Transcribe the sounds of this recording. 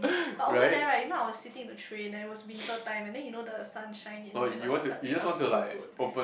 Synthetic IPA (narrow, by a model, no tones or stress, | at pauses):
baɹaɪtɛɹaɪtjunoaɪwɔssitɪ̃ŋ̃tutʰɹẽnɛ̃nt̚wɔswinikətãɪ̃mɛ̃ndɛ̃njunodəsãnʃãɪj̃ñnojjuwɔ̃ntujud͡ʒaswɔ̃ntulaɪkopə̃